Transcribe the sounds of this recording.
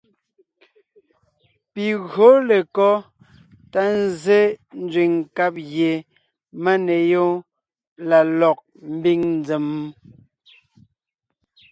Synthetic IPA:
pi˨ɣɰo˨˦le˨kɔ˦ | ta˦n˦˨ze˦n̩˦d͡zwi˨ŋka˦p̚ɣje˨ | ma˦ne˨jo˦ | la˨lɔ˨k̚ | m̩˦bi˦ŋn˦d͡ze˨m˦

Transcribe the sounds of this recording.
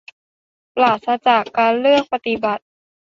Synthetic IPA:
plaː˨˩t̪̚sa˧˥t͡ɕaː˨˩kːaː˧nlɯ˥˩əŋ̚pa˧t̪i˨˩ba˨˩t̪̚

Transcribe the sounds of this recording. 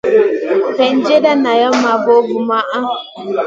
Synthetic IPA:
tɛ˨n̩˦d͡ʒe˦da˦na˨jɔ˦ma˨bo˦vu˨ma˦ʔa˦

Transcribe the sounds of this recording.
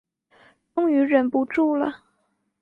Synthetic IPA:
ʈ͡ʂʊ˥ŋy˧˥ɻə˨˩npu˧˥ʈ͡ʂu˥˩lə˨˩

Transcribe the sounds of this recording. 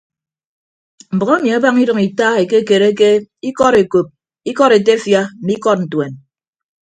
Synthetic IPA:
m̩˨bɔ˨ɣe˦mi˨a˦ba˦ŋi˦dɨ˨ŋi˨ta˦e˨ke˦ke˨ɾe˦ke˦i˦kɔ˦ɾe˨ko˨p̚ | i˦kɔ˦ɾe˨te˦fja˦m̩˨mi˦kɔ˦t̚n̩˨twe˨n

